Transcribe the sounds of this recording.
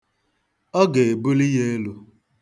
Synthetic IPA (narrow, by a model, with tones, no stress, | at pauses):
ɔ˦ɡe˨e˨bu˦li˦je˦e˦lu˦